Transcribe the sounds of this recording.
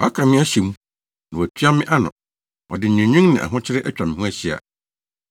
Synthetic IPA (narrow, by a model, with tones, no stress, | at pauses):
wɔ˨a˦kʰã˨mɪ̃˦æ˦ɕi˨mũ˦ | nã˨wɔ˨æ˨tʰi˦a˦mɪ̃˦ʔa˦nʊ̃˨ | ɔ̰˨dɪ˨ɲᶣɪ̃˨ɲᶣũ˦ŋnɪ̃˨ʔa̰˨ɦʊ̃˦t͡ɕʰɪ˦ɾɪ˦ʔɛ˦t͡ɕᶣa˨mɪ̃˨hũ˦æ˦ɕi˦a̰˨